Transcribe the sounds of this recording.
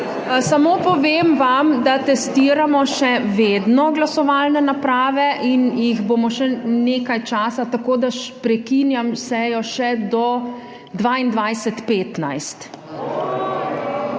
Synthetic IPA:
samopɔʋeːmʋamd̪at̪ɛst̪iːɾamɔʃɛʋeːd̪nɔɡlasɔʋaːlnɛnapɾaːʋɛʔinjiɣboːmɔʃɛneːkajt͡ʃaːsat̪akoːd̪aʃpɾɛkinjamsɛjɔʃɛd̪ɔ | d̪ʋaːind̪ʋajsɛt̪peːt̪na̰jst̪

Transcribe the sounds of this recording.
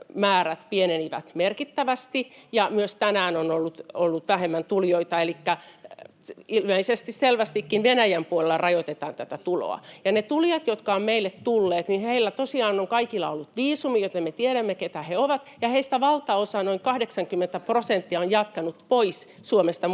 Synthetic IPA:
mæːræt̪pieneniʋæ̰t̪merkit̪ːæʋæst̪ijɑmyøst̪ænæːnonolːut̪olːut̪ʋæhemːænt̪uljoit̪ɑelikːæ | ilmeisest̪isselʋæst̪ikːinʋenæjæmpuolelɑrɑjot̪et̪ɑːnt̪æt̪æt̪ulo̰ɑ̰jɑnet̪uljɑt̪jot̪kɑommeilːet̪t̪ulːeːt̪ninheilːæt̪osiɑːnoŋkɑikilːˑɑ̰olːut̪ʋiːsumijot̪emmet̪ieɾæmːeket̪æheoʋɑt̪jɑheist̪æʋɑlt̪ɑosɑnoiŋkɑhdeksɑŋkymːent̪æprosent̪ːiɑonjɑt̪kɑnut̪pois | suomest̪ɑ

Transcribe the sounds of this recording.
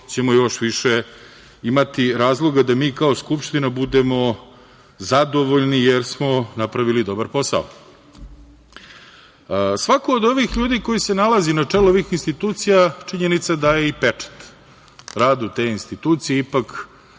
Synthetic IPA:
t͡ɕe̞mojo̞ʃʋiʃe | imat̪iɾaːzlˠo̞ɡad̪amiːkao̞skupʃt̪inabud̪emo | zad̪o̞ʋo̞ʎnijeɾsmo̞napɾaʋilid̪o̞baɾpo̞sa̰o̰ | sʋakoːd̪o̞ʋixʎuːd̪iko̞jisenalazinat͡ʂeluoʋixinst̪it̪uːt̪sijat͡ʂiɲenit̪sad̪ajeipet͡ʂe̥t̪ | ɾaːd̪ut̪e̞inst̪it̪uːt̪sijeipak

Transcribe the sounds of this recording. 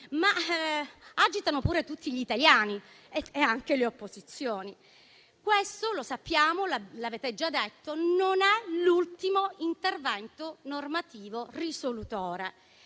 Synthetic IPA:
ma | ad͡ʒit̪anopuːɾet̪ut̪ːiʎit̪aljaːni | eeaŋk̟eleopːozit̪sːjoːni | kwest̪olosapːjaːmolalaveːt̪ed͡ʒad̪ːet̪ːononɛlult̪imoint̪ervɛnt̪onormat̪iːvorisolut̪ɔːɾe

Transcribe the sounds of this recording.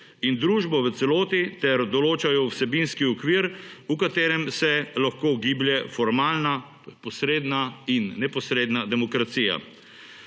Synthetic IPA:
ind̪ɾuːʒbɔʋət̪sɛloːt̪it̪ɛɾd̪ɔloːt͡ʃajɔwsɛbinskiɔkʋiːɾukat̪eːɾɛmsɛlaxkoːɡiːbljɛfɔɾmaːlna | pɔsɾeːd̪nainːɛpɔsɾeːd̪nad̪ɛmɔkɾat̪siːja̰

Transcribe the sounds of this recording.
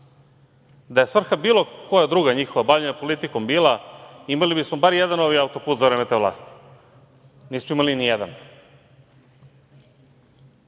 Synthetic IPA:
d̪ajesʋr̩xabiːlo̞ko̞jad̪ɾuːɡaɲixo̞ʋabaʎeɲapo̞lit̪iko̞mbiːlaimalibismobaɾijed̪ano̞ʋijaut̪o̞puːt̪zavɾemet̪eʋlˠa̰ːst̪i̥ | niːsmoimalinijed̪a̰n

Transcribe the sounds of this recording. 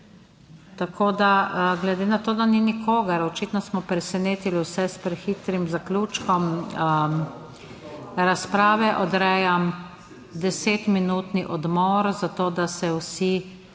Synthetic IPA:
t̪akʰoːd̪aɡlɛd̪eːnat̪oːd̪aninikʰoːɡɐɾɔt͡ʃiːt̪nɔsmɔpɾɛsɛneːt̪iliwsɛspɾɛxit̪ɾimzaklʲuːt͡ʃkɔm | ɾaspɾaːʋɛʔɔd̪ɾɛjam | d̪ɛseːt̪minuːt̪niʔɔd̪mɔɾzat̪oːd̪asɛwsi

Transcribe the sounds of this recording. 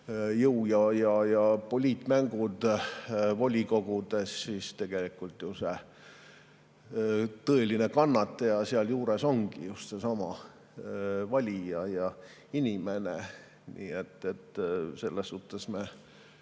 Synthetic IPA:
jɤwjɑjɑjɑpo̞lʲiːt̪ːˑmæŋɡ̥ud̪̥ | vo̞lʲiko̞ɡ̥ud̪̥e̞sːist̪e̞ɡ̥elikult̪juse | t̪ɤe̞line̞kɑnːɑt̪ˑːejɑsiɑljuːɾeso̞ŋɡ̥ḭjust̪se̞sɑmɑ̰ | vɑlʲijɑjɑ | inʲimene | nḭːet̪ːˑet̪ːse̞lːesːuht̪ːˑe̞sme

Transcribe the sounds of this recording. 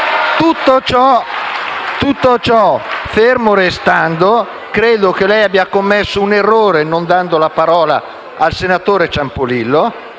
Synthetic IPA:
t̪ut̪ːot͡ʃɔ | t̪ut̪ːot͡ʃɔfermoɾest̪and̪o | kɾeːd̪okelɛjabːiakomːesːounerːoːɾenond̪and̪olapaɾɔːla̰ | alsenat̪oːɾet͡ʃampolilːo

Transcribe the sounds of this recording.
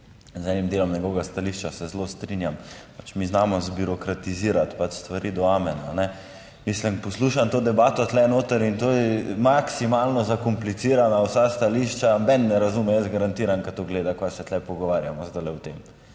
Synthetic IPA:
zɛnimd̪eːlɔmnɛɡoɡast̪aliʃt͡ʃasɛzlost̪ɾinjampat͡ʃmiznamɔzbuɾɔkɾat̪iziːɾat̪pat͡ʃst̪ʋaɾʔiːd̪ɔamɛnanɛ | mislimpɔsluːʃant̪oːd̪ɛbaːt̪ɔt̪lɛnoːt̪əɾint̪oɛmaksimalnɔzakɔmplit̪siːɾanawsast̪aliʃt͡ʃabɛnnɛɾazumɛjəsɡaɾant̪iɾankat̪oɡleːd̪akasɛt̪lɛpɔɡɔʋaːɾjamɔzd̪alɛwt̪em

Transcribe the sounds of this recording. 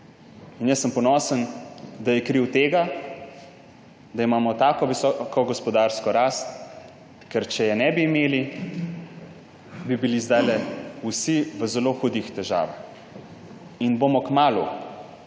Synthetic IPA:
injɛsːəmpɔnɔːsənd̪ajɛkɾiwt̪eːɡa | d̪aimaːmɔt̪aːkɔʋisɔkɔɡɔspɔd̪aɾskɔɾaːst̪̚ | kɛɾt͡ʃɛjɛnɛbiːmeːli | bibilizd̪ajlɛusiʋəzɛloːxud̪ixt̪ɛʒa̰ːʋax | inbomɔkmaːlṵ

